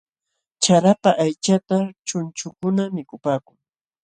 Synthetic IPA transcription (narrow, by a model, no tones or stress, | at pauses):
t͡ʃaɾapaʔajt͡ʃat̪at͡ʃʊnt͡ʃʊkʊnamɪkʊpaːkʊŋ